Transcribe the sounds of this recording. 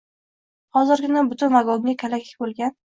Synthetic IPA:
hɒzɨɾɡʲɪnabʊt̪ʰʊnvaɡɒŋʲakʲʰalakʲʰɪ̥kʲbolˠɡʲan

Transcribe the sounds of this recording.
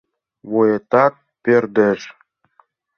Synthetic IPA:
βojet̪ɑt̪̚ | perd̪ə̆ʒ

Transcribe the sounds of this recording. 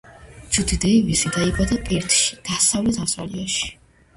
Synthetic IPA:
t͡ʃʰut̪ʰid̪ɛivisid̪aibad̪akʼɛɾt̪ʰʃi̥d̪̥asavlɛt̪ʰasva̰liaʃi̥

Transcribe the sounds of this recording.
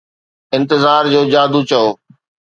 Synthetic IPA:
ɪ̃nt̪ɪzaːɾd͡ʑoːd͡ʑaːd̪ut͡ɕɐoː

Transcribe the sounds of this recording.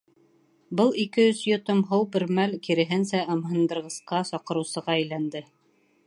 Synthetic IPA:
bɤlˠikɘɵsjŏt̪ɤmɦɤwbɘ̆ɾmælkiɾɘ̆ɦɘnsæʔɑmhɤ̆nd̪ɤ̆ɾʁɤ̆sqɑsɒqɤ̆ɾɤ̆wsɤ̆ʁɑæjlænd̪ɘ

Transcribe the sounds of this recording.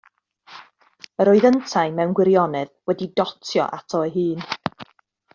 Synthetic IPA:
əɾoːɨðəntʰajmɛwnɡwɪɾjɔnɨðwɛdidɔtʰjɔ̰ʔatʰɔəɦɨːn

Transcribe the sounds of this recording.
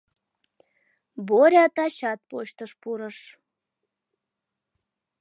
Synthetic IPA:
boɾʲɑt̪ɑɕɑt̪̚poɕt̪əʃpuɾəʃ

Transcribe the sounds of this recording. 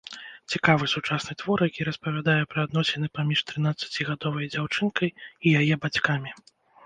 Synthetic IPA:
t͡sʲikavɨsut͡ʂasnɨt̪vɔrjakʲiɾɐspɐvʲad̪ajɛpɾɐːd̪nɔsʲɛnɨpamʲiʂt̪ɾɨn̪at̪sɐ̥t͡sʲiɣad̪ɔvɐjd͡zʲawt͡ʂɨnkɐjijajɛbat͡sʲkamʲi

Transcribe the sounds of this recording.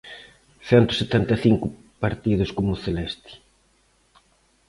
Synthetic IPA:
θɛnt̪ʊ̥set̪ɛnt̪ɐθiŋkʊ | paɾt̪iðʊskomʊθelɛst̪i̥

